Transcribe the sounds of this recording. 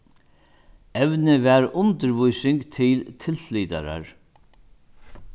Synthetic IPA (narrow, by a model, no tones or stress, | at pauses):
ɛʋnɪʋɛɾʊnt̪əɾʋujsɪŋkt̪ʰɪlt̪ʰɪlfliːt̪a̰ɾa̰ɹ